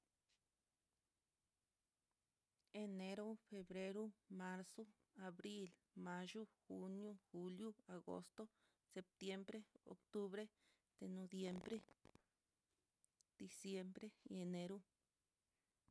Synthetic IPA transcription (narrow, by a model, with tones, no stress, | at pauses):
e˧ne˧ɾo˦fe˧bɾe˧ɾu˦ma˧ɾso˦ | a˨bɾi˦l | ma˧ʒu˦xu˧njo˦xu˧lju˦a˨ɡo̰˧st̪o˦ | se˨p̚t̪je˧mbɾe˦o̰˨kt̪u˦βɾe˦ | d̪̥e˨no˧dje˧mbɾe˦ | d̪̥i˨sje˧mbɾe˦e˧ne˧ɾu˦